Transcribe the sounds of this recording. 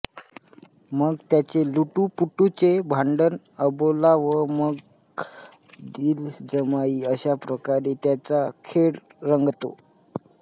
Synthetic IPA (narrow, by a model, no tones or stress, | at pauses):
məɡt̪jat͡seluʈupuʈut͡sebʱaɳɖən | əbolaʋəməɡ | d̪ild͡zəmaiːəɕapɾəkaɾet̪jat͡sakʰeɽ | ɾəŋɡt̪o̰